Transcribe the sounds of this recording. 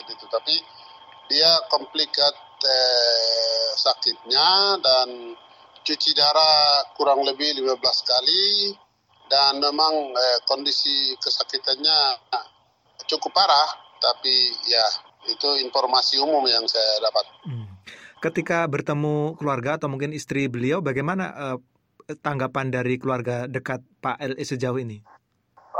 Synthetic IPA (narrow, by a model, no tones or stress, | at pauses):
dit̪ut̪api | diakɔmplikat̪̚ə | sakɪt̪̚ɲadan | t͡ʃut͡ʃidaɾakuɾaŋləbɪhlimabəlaskali | danmemaŋəkɔndisikəsakit̪anɲa | t͡ʃukʊpaɾaht̪apija | it̪uinfɔrmasiumʊmjaŋsajadapat̪̚ | kət̪ikabərt̪əmukəluarɡaːt̪awmuŋkɪnist̪ɾibəliawbaɡajmana̰ʔə | t̪aŋɡapandaɾikəluarɡadəkat̪̚paʔɛlesəd͡ʒauhini